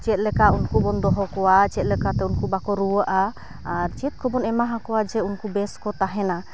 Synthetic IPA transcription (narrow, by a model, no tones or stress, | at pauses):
t͡ʃɛt̪̚lɛkaʔunkubɔnd̪ɔɦɔkɔwat͡ʃɛt̪̚lɛkat̪ɛunkubakɔɾuwəʔaː | ɾt͡ʃɛt̪̚kɔbɔnɛmaɦakɔwad͡ʒɛunkubɛskɔt̪aɦɛna